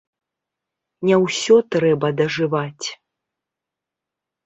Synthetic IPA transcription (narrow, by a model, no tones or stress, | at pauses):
nʲɛwsʲɔt̪ɾɛbɐd̪ɐʐɨvat͡sʲ